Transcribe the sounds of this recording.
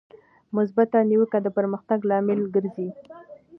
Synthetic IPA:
mʊs̬bat̪aniwəkad̪əpəɾməxt̪aɡlɑmɪlɡəɾzi

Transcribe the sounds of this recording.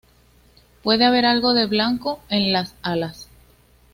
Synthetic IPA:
pwe̞ðe̞aβ̞e̞ɾalɣo̞ðe̞βlaŋko̞e̞nlasalas

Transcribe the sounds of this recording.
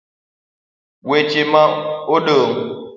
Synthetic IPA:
wet͡ʃemaoɗəŋ

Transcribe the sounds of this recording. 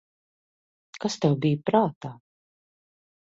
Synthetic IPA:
kast̪ɛwbijpɾaːt̪aː

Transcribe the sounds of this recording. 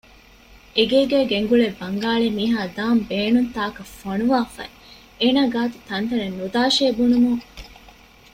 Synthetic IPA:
eɡeːɡæːɡeŋɡuɭebːɐŋɡaːɭemiːɦaːd̪aːmbeːnunt̪aːkɐfonuʋaːfɐ̰ | eːnaːɡaːt̪u̥t̪ɐnt̪ɐnenːud̪aːʃeːbunumuŋ

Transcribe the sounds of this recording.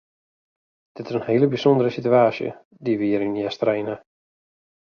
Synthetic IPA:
d̥ɪtɪsənheːləbisɔndəɾəsityaːsjə̰ | diʋiːəɾinjɛstrejnə

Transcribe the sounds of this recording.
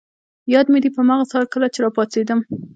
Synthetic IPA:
jɑd̪med̪ipəamɑɣasɑlkəlat͡ʃeɾɑpɑt͡sed̪əm

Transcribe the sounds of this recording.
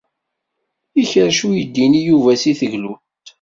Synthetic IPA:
içəɾʃujəd̪ːinijuvæsiθəʝlut̪

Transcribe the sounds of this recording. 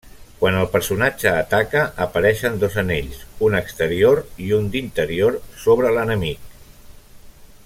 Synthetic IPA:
kwanəlˠpəɾsunad͡ʒəːt̪akəʔəpəɾɛʃənd̪ozəneʎsunəkst̪əɾioɾiund̪int̪əɾioɾsoβ̞ɾələnəmik

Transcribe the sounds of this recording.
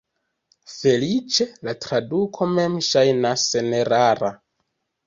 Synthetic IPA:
fe̞lit͡ʃe̞latɾadukʰo̞me̞mʃajnaseneɾaɾa

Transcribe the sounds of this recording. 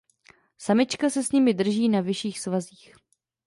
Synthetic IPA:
samɪt͡ʃkasɛsɲɪmɪdr̩ʒiːnavɪʃiːxsvaziːx

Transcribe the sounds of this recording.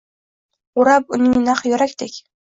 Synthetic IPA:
ʊɾapʊnɪŋnaqjɵɾakʲd̪ekʲ

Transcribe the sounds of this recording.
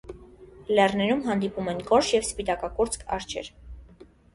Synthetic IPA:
lɛrnɛɾumɦɑnd̪ipumɛnkɔɾʃjɛvspit̪ɑkɑkɔɾt͡skʰɑ̰ɾt͡ʃʰɛ̰ɾ

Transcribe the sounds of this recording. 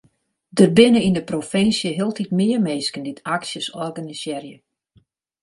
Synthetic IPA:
dərbɪnəindəprofɪnsjəɦɪlˠtʰitmɪərmeskəndɪtʰaksjəsɔrɡanisjɛrjə

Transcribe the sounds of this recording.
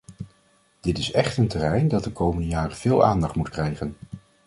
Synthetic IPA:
d̥ɪtɪsɛχtəntərɛjndɑt̚dəkowməndəjaːrəv̥ɪːlˠʔaːndɑχtmutkrɛjχən

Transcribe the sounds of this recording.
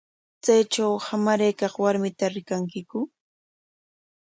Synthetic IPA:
t͡sajʈ͡ʂawhamaɾajkɑχwaɾmɪt̪aɾɪkaŋkɪkʊ

